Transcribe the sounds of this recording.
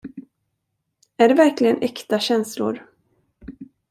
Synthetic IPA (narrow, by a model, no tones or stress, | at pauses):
æɖɛvæɾklɪɡənʔɛkt̪aɕɛnslʊ̰ɾ